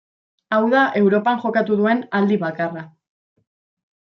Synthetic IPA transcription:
awðaʔe̞wɾo̞paŋʝo̞kat̪uðue̞nald̪iβakara

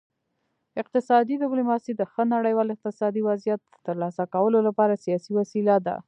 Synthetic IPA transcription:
ɪq̚t̪ɪsɑd̪id̪ɪblumɑsid̪əxənaɽəjwɑlɪq̚t̪ɪsɑd̪iwazijat̪̚ə̥ːəɾlɑsakawəlolapɑɾasijɑsiwasilad̪a̰

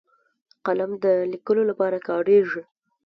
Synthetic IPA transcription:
qalamd̪əlikəlolapɑɾakɑɽeʐi

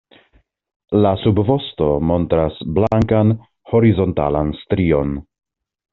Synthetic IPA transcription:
lasubvo̞sto̞mo̞ntɾasblaŋkan | ho̞ɾizo̞nta̰lanstɾio̞n

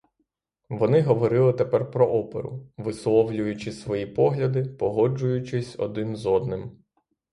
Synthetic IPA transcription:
ʋɔnɪɦɔʋɔɾɪlˠɪt̪epɛrpɾɔʔɔpḛɾʊ̰ʋɪslˠɔwlʲʊjʊt͡ʃɪsʋɔjipɔɦlʲɐd̪ɪpɔɦɔd͡ʒʊjʊt͡ʃɪsʲɔ̰d̪ɪnzɔd̪nɪm

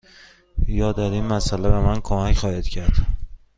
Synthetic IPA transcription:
jɒːd̪ɒɾinmæsælebemænkʰomæcχɒːhid̪̥cʰæɾd̪̥

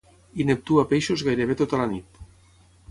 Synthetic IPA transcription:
inep̚t̪uapejʃozɣajɾeβet̪ot̪alanit̪

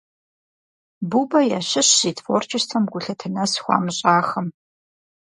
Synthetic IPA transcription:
bubɐjaɕɪɕːiːtʰfort͡ʃʰʼɪʃtʰɐmɡʷʊɬɐtʰɨnɐsxʷɑ̰ːmɨɕʼaːxɐm

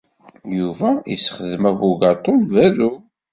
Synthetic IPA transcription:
juvæisχəðəmævuʝɑt̪ˤolvæðu

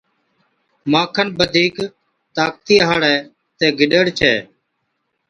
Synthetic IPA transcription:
maːkʰənɓəd̪ʱiːk | t̪aːk̚t̪iːɦaːɽɛː | t̪eːɡɪɗəɽt͡ʃʰɛː

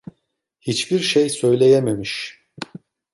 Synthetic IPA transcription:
hit͡ʃbiɾʃejsøjlʲe̞jememiʃ

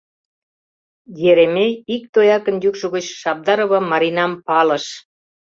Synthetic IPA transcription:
jeɾemeik̚t̪ojɑkə̆njukʃoɣət͡ɕʃɑp̚d̪ɑɾoβɤ̆mɑɾinɑmpɑlə̆ʃ

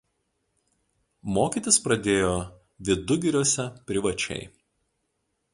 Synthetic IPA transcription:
moːkʲiːt̪ʲɪspɾɐd̪ʲeːjoː | ʋʲɪd̪ʊɡʲɪɾʲuɔsʲɛpʲɾʲɪʋɐt͡ʃʲɛ̰ɪ

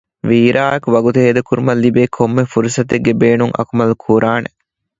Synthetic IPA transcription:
ʋiːɾʔaːekuʋɐɡut̪uɦeːd̪ɐkuɾumɐlːibeːkʰomːefuɾusɐt̪eɡːebeːnuŋʔɐ̰kumɐlukʰuːɾʔaːnḛ

